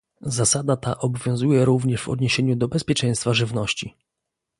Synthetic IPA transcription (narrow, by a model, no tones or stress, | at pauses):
zasad̪at̪aʔɔbɔvʲjɔ̃w̃zujɛɾuvɲɛʐvɔ̰d̪ɲeɕeɲud̪ɔbɛspʲjɛt͡ʂɛ̃j̃st̪faʐɘvnɔɕt͡ɕi